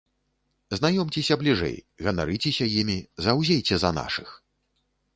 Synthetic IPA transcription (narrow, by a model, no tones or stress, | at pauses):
zn̪ajɔmt͡sʲɛsʲɐblʲiʐɛ̰j | ɣɐna̰ɾɨt͡sʲɛsʲɐjimʲizɐwzʲejt͡sʲɛzɐ̰na̰ʂɨx